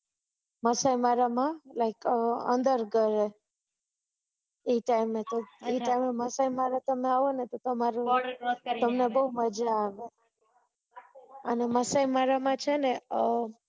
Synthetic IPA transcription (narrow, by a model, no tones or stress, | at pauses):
məsaimaɾamãlaɪkəə̰nd̪əɾɡəɾe | eʈaimet̪oeʈaimeməsaimaɾat̪əmeaʋonet̪ot̪əmaɾut̪əmnebəuməd͡ʒaːʋe | əneməsaimaɾamãt͡ʃʰene